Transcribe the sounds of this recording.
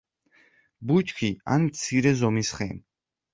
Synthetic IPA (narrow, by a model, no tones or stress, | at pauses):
but͡ʃʼkʰia̰nmt̪sʰiɾɛzɔmisχɛn